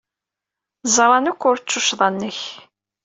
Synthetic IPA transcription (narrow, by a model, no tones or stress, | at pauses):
zˤɾˤɑnəkʷːʊɾt͡ʃːʊʃðˤɑnːəç